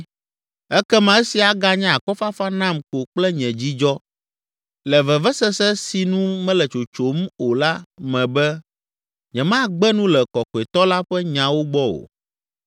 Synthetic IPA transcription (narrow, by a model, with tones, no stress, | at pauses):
ɛ˦kɛ˦mã˨ɛ˦si˨a˨ɡa˦ɲɛ̃˦a˨kɔ˦fa˦fa˦nã˦mko˨k͡plɛ˦ɲɛ̃˨d͡ʑi˦d͡ʒɔ˦ | lɛ˨vɛ˨vɛ˦sɛ˦sɛ˦si˨nũ˦mɛ̃˦lɛ˨t͡ʃo˨t͡ʃo˨mo˨la˦mɛ̃˨bɛ˦ | ɲɛ̃˨mã˦ɡ͡bɛ˦nũ˦lɛ˨kɔ˨kɛ˨t̪ɔ˦la˦ɸɛ˦ɲã˨wo˦ɡ͡bɔ˦o̰˨